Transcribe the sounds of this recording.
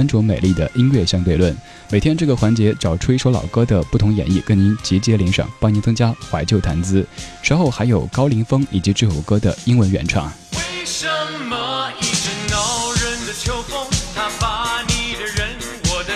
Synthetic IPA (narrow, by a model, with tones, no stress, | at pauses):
nʈ͡ʂɔ˧˥me˨˩ɪli˥˩d̪ə̰˩ʔi˥nɥɛ˥˧ɕjɑ˥ŋt̪we˥˧ɪlwə˥˩n | me˨˩t̪ʰjɛ˥nʈ͡ʂɤ˥˩ɡə˩xwa˧˥nt͡ɕjɛ˧˥ʈ͡ʂɑ˨˩ʊʈ͡ʂʰu˥i˥ʂwo˧˥lɑ̰˨˩ʊkɤ˥d̪ə˨pu˥˩t̪ʰʊ˧˥ŋjɛ̰˨˩ni˥˩kə˧˥ni˧˥nt͡ɕi˧˥t͡ɕjɛ˥lɛ˧˥ŋʂɑ̰˨˩˦ŋpɑ˥˩ŋni˧˥nt͡sɤ˥ŋt͡ɕja˥xwa˧˥ɪt͡ɕjo˥˩ʊt̪ʰa˧˥nt͡sɹ̩˥ʂɻ̩˧˥xo˥˩ʊxa˧˥ɪjo˨˩ʊkɑ˥ʊli˧˥ŋfɤ˥ŋi˨˩t͡ɕi˧˥ʈ͡ʂɻ̩˥˩fṵ˨˩kɤ˥d̪ə̰˨i˥ŋwə˧˥nɥɛ̰˧˥nʈ͡ʂʰɑ̰˥˩ŋ | we˥˩ɪʂə˧mːə˨˩i˧˩ʈ͡ʂ̩˧˩nɑ˨˧˥ʊɻə˧˥nd̪ə˨t͡ɕʰjo˧˥ʊfʊ˥ŋt̪ʰa˥pa˧˥ni˨˩d̪ə˧ɻə˧˥n | wɔ˨˩